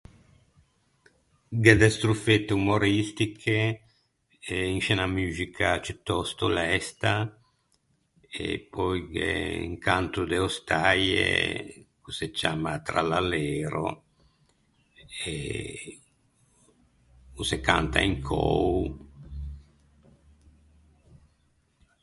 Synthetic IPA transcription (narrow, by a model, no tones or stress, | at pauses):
ɡed̪ɛst̪ɾufet̪ːumoɾist̪ikʰe | iŋʃɛnamyzikʰat͡ʃut̪ːɔst̪olɛst̪a | ḛpɔjɡḛḭŋkant̪ɾud̪eost̪ajḛkuset͡ʃamat̪ɾa̰laleɾo̰ | e | usekant̪a̰iŋkʰo̰w